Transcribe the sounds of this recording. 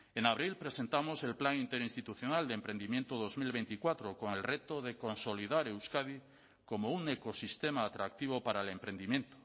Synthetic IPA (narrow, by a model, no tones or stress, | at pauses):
enaβɾilpɾesent̪amose̞lplaŋint̪eɾinst̪it̪uθjonald̪empɾe̞nd̪imjent̪oðozmilβejnt̪ikwat̪ɾokoŋelret̪oðekonsoliðaɾewskað̞i | komouŋekosist̪emaːt̪ɾak̚t̪iβ̞opaɾaelempɾend̪imje̞nt̪o̥